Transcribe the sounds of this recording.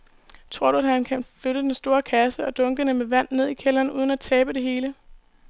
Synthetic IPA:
t͡sʰʁo̝ɐ̰ɾuæd̥hænkʰænføɾəd̥ensd̥o̝ːɐkʰæsəɒ̽d̥ɔ̽ŋɡ̥ənəmeʋæn̰nːe̝ð̞̰ˠikʰelɐːnuːð̞ˠən̩æt͡sʰɛːb̥əd̥e̝ɦe̝ːlə

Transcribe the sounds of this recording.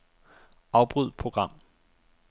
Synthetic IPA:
ɑ̈ʊb̥ʁyð̞̰ˠpʰʁo̝ɡ̥ʁɑ̈m̰

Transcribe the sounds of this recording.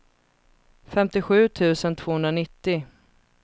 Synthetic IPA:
fɛmt̪ɪɧʉ̟ːt̪ʰʉ̟ːsənt̪ʰv̥oːhɵnd̪ɾanɪt̪ːɪ

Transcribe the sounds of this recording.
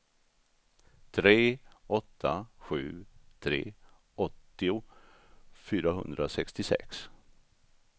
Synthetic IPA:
t̪ʰɾeːʔɔt̪ʰːaɧʉ̟ːt̪ʰɾḛː | ʔɔt̪ːɪʊ | fyːɾaɦɵ̰nd̪ɾasɛkst̪ɪsɛ̰ks

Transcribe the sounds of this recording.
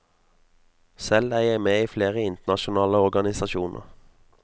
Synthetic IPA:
sɛlæːjæɪmeːiːfleːʁəɪnt̪ənɑʃʊnɑːləɔʁɡɑnɪsɑʃuːnʔə̰ʁ

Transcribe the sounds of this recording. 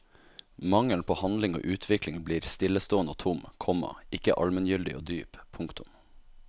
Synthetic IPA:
mɑŋəln̩pʰoːhɑnlɪŋo̰ːʔʉːt̪ʰʋɪklɪŋbliːɾst̪ɪləst̪oːənoːt̪ʰʊmkʰɔmɑ̰ʔɪkə̰ʔɑlmənjʏld̪ɪ̰o̰ːd̪yːppʰːʊŋkt̪ʊm

